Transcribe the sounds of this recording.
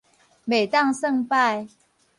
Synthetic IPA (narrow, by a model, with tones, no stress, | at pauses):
me˨˩ɪt̪ɑ˥˨ŋsə˥˧ŋpa˥˨ɪ